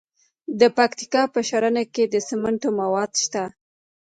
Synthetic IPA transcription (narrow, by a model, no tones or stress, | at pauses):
d̪əpakt̪i̥kɑpəʃaɾanaked̪əsɪmaɳʈomawɑd̪ʃt̪a